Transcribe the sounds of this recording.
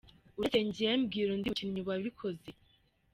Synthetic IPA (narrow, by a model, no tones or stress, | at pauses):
uɾeteɲɟijembɡiɾondiucinɲiβwaβikʰoze